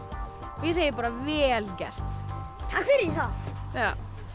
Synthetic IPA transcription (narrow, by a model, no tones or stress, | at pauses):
vjɛseːjɪpaːɾavɛlcɛr̥t̪t̪ʰakfɪɾθaðja